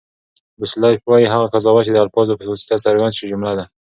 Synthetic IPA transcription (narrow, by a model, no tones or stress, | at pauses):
bɪslɑjpwajiɦaɣakazɑwat͡ʃed̪əalfɑzopəosi̥t̪asaɾɡand̪ʃid͡ʒʊmlad̪a